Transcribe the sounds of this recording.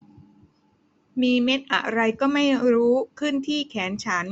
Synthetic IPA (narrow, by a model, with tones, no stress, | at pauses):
miː˧me˦˥t̪̚ʔa̰˨˩ɾa˧jkɔː˥˩ma˥˩jɾuː˦˥kʰɯ˥˩nt̪ʰiː˥˩kʰɛː˩˦nt͡ɕʰaː˩˦n